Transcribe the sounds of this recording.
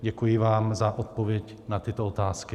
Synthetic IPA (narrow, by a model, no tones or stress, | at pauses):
ɟɛkujɪvaːmzaʔot̪̚po̞vjɛc | nat̪ɪt̪oot̪aːskɪ